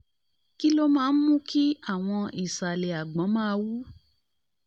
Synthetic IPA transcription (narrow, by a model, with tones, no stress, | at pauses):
ki˦lo˦mãː˦˧˦n̩˦mũ˦ki˦a˦˨w̃ɔ̃˧i˨sa˨le˨a˨ɡ͡bɔ̃˨˦mãː˦˧wu˦